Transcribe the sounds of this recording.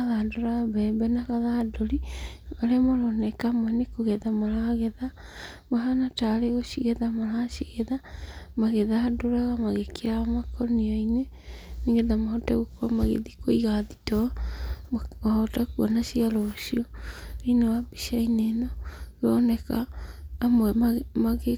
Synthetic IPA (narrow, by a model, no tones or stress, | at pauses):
aðadoɾaɣabɛbɛnakaðadoɾiaɾɛmɔɾɔnɛkamwɛnekoɣeðamaɾaɣeða | maɦanataɾeɣoʃiɣeðamaɾaʃiɣeðamaɣeðadoɾaɣamaɣekiɾaɣamakɔniaine | niŋɡeðamahɔtaɣokwamaɣḛðikoiɣaðitɔ | mahɔtakuanaʃialɔʃioinawabiʃainenɔɣɔnɛkaː | mwɛmaɣe